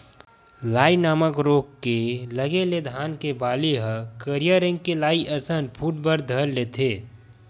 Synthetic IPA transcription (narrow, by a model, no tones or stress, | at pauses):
laːinaːməkɾoːkːeləɡeled̪ʱaːnkebaːleɦəkəɾijaɾɪ̃ŋɡkelaːiʔəsənpʰuːʈ̚bəɾd̪ʱəɾlet̪ʰeː